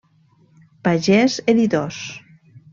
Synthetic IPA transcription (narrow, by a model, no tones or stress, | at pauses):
paʒɛzeðit̪os